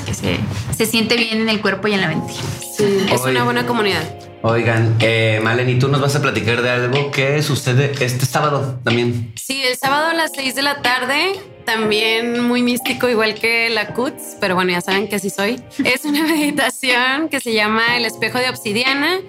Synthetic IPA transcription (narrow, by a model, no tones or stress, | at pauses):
kesḛse̞sje̞nt̪e̞βje̞ne̞ne̞lkwe̞ɾpo̞ie̞nlaβe̞nt̪iɾasiesunaβwe̞nako̞mũniðað | ojɣanemalenit̪uno̞zβas̬aplat̪ikaɾðealɣo̞kesuseðeest̪e̞saβaðot̪ambje̞nsielsaβað̞oalasejzðe̞lat̪aɾðe̞ | t̪ambjenmujmist̪iko̞iɣwalke̞lakut̪spe̞ɾoβwe̞noʝasaβeŋkeas̬iso̞je̞suname̞ðit̪asjo̞nke̞se̞ʝamaele̞spe̞xo̞ð̞eoksiðjana